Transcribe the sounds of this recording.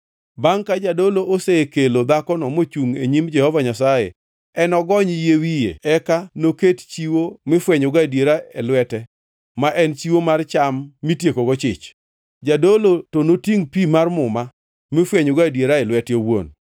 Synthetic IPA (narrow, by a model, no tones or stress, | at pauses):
baŋkad͡ʒadoloʔosekelod̪akɔnɔmot͡ʃuŋeɲimd͡ʒɛhɔvaɲasajḛ | ɛnɔɡɔɲjewijḛɛkanokett͡ʃiwomɪfwɛɲʊɡadjeɾaelwɛtɛ | maʔɛnt͡ʃiwomart͡ʃamːitjekoɡɔt͡ʃɪ̰t͡ʃ | d͡ʒadolotonotiŋpimarmʊma | mɪfwɛɲʊɡadjeɾaɛlwɛtjowwo̰n